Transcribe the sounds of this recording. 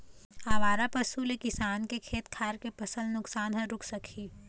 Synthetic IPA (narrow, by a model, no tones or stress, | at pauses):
aːʋaːɾapɐsulekɪsaːnkekʰeːt̪kʰaːɾkepɐsəlnʊksaːnɦɐ̃ɾʊkʰsɐkʰiː